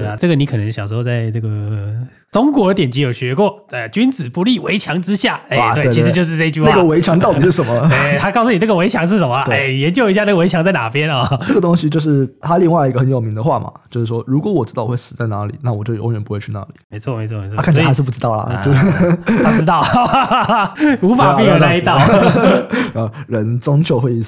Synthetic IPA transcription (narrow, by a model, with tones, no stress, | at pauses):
e˥˩a˩ʈ͡ʂɤ˥˩ɡə˩ni˥ɤ˨˩nə˧˥ŋɕjɑ˨˩ŋʂ̬̩˧˥˧t͡sa˥˧ɪnɤ˥˩ɡə˩ | ʈ͡ʂʊ˥ŋkwɔ˧˥ə˧˥jɛ˨˩nt͡ɕi˧˥jo˨˩ʊɕɥɛ˧˥kwɔ˥˩˧t͡ɕy˥nt͡sɹ̩˨˩pu˧˥li˥˩we˧˥ɪt͡ɕʰjɑ˧˥ŋʈ͡ʂɻ̩˥ɕja˥˩e˥˧˩t̪we˥˩˥t͡ɕi˧˥ɻ̩˧t͡ɕjo˥˧ʂ̬ɻ̩˥˧ʈ͡ʂe˥˧i˧t͡ɕy˥˩wna˥˩ɡə˧˨we˧˥ɪt͡ɕʰjɑ˧˥ŋt̪ɑ˥˩ʊ˨˩ʂɻ̩˥˩ʂə˧˥nmə˧e˥˩t̪ʰa˥kɑ˥˩ʊsu˩ni˨˩ʈ͡ʂə˥ɡə˩we˧˥ɪt͡ɕʰjɑ˧˥ŋʂ̬̩˥˩ʂə˧˦mə˧e˥˩jɛ˧˥nt͡ɕjo˥˩ʊi˧˥ɕja˥˧nə˥˩ə˨wt͡ɕʰɑ˧˥ŋt͡sa˥˩ɪna̰˨˩pjɛ˥nɔ˥˧ə˥˩ɡə˩t̪ʊ˥ŋɕi˨t͡ɕjo˥˧ʊʂ̬ɻ̩˥˩t̪ʰa˥li˥˧ŋwa˥˧ɪi˥ɡə˧xə˧˥njo˨˩ʊmi˧˥ŋd̪ə˧xwa˥˩mɐ̰˩t͡ɕjo˥˧ʊʂ̩˥˩ʂwɔ˥ɻu˧˥kwɔ˧˥wɔ˨˩ʈ͡ʂɻ̩˥ɑ˥˩ʊ˩˨˩wʂ̩˨˩t͡sa˥˩ɪna˧˥lḭ˨˩˦na˥˩wɔ˨˩t͡ɕjo̰˧˥ŋɥɛ˧˥npu˧˥we˥˧ɪt͡ɕʰy˥˧na̰˥˩li˨˩me˧˥wme˧˥ɪt͡sʰɔ˥˩me˧ɪt͡sʰkʰnsʰa˧˥ʂ̩˥˧˩pu˥˩ʈ͡ʂɻ̩˥t̪ɑ˥˩ʊlɐ̰˩e˥˧a˥pu˧˥t̪ɑ˥˩ʊ | u˧˥fa˨˩i˥˧jo˨˧˩na˧˥i˥t̪ɑ˥˩ʊ | ə˧˩ɻə˧˥nt͡sʊ˥ŋt͡ɕʰjo˥˧ʊxwe˥˧ɪi˥˩s